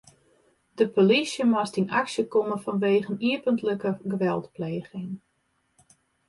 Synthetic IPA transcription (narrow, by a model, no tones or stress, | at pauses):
d̥əpolisjəmɔstinaksjəkoməfɔnʋeːɣəniəpəntləkəɡəʋɛlˠtpleːɣɪŋ